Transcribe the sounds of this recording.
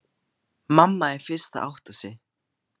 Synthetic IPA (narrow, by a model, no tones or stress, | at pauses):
mamːaɛɾ̥fɪɾ̥st̪a̰ʔa̰wht̪asɪ